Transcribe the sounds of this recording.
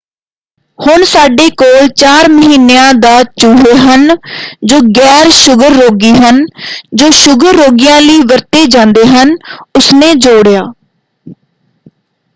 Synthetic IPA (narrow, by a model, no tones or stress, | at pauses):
hʊɳsaːɖeːkoːlt͡ʃaːɾməɦiːnejãːd̪aːt͡ʃʊɦeːɦənd͡ʒoːɡɛːɾʃʊɡəɾːoːɡiːɦənd͡ʒoːʃʊɡəɾːoːɡijãːliːʋəɾt̪eːd͡ʒãːnd̪eːɦənʊsnẽːd͡ʒoːɽjaː